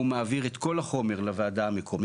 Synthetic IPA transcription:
umaːviʁet̪ko̞laχo̞me̞ʁlavaːdaːmekʰo̞m

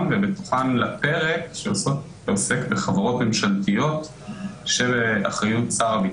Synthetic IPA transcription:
nvebet̪oχanlape̞ʁekʃeosot | ose̞kbeχavaʁo̞tmemʃaltijo̞t | ʃebeʔaχʁajutt͡saʁabi

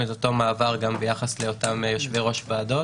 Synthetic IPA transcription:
eto̞t̪o̞maːvaʁɡambejaχasle̞o̞tamjo̞ʃveʁo̞ʃvaːdo̞

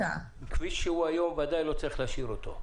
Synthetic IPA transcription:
a̰ | kviʃeuajo̞mvad̪ajlo̞t͡sʁiχlaʃiʁot̪o

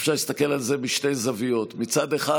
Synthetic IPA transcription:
fʃaʁlist̪akelalze̞miʃtejzavijo̞t̪mit͡sad̪eχa

